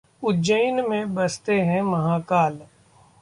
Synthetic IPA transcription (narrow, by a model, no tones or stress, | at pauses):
ʊd͡ʒəjnmẽbɐst̪eɦɛ̃mɐɦãːkaːl